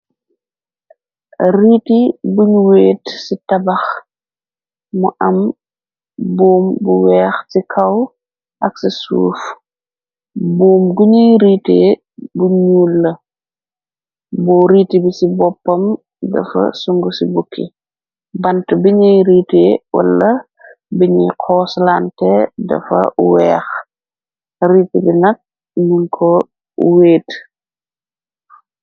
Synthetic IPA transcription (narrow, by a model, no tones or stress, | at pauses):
riːtibuɲuweːtsitɐbɐx | muʔɐm | boːmbuwɛːxsikʰɐw | ʔɐksisṵːf | bɔːmɡuɲijɾiːteː | buɲuːlːɐ | bɔːɾiːtibisibɔpːɐm | dɐ̰fɐ̰suŋɡusibukʰːḭ | bɐntbiɲɐjɾiːteːwɐ̰lːɐ | biɲɐjkʰɔːslantɛdɐ̰fɐ̰wɛːx | riːtibinɐk̚ | muŋkʰɔ | weːt